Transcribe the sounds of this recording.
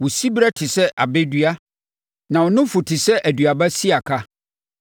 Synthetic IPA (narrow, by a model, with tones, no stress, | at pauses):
wɔ˨si˦bɾa˦tʰɪ˨sɛ˦ʔa̰˨be˦dɥa˦ | nã˨wɔ˨nʊ̃˦fʊ˨tʰɪ˨sɛ˦ʔæ˨dɥa˨ba˦si˦a˨kʰa˦